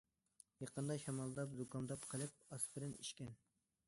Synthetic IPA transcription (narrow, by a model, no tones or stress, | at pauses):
jɑqənd̪ɑʃɑmɑlˠd̪ɑpzukʰɑmd̪ɑpqʰəlˠɨp̚ɑsbɪɾɪnḭʃkʲɛn